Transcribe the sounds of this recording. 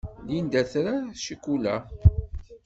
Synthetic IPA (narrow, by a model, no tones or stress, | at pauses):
lind̪æθɾaʃikːulæ